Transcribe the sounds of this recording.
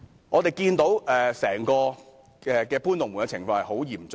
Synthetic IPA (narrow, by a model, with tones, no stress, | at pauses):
ŋɔː˨˧t̪e˨jkiː˧nt̪o˨˧˥wɛː˨sɛː˨˩ŋkɔː˧ | ɛ˨kɛː˧puː˥nt̪ʊ˨ŋmu˨˩ŋkɛ˧t͡sʰɪ˨˩ŋfɔː˧ŋhɐ˨jho˨˥wjiː˨˩mt͡sʊ